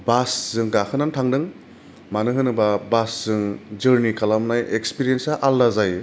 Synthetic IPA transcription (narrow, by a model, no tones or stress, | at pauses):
basz̥ɯŋɡakʰɯnantʰaŋdɯŋ | manɯɦɯnɯbabasz̥ɯŋd͡ʒɯɾnikʰalamnajekspiɾiensaʔalːazaj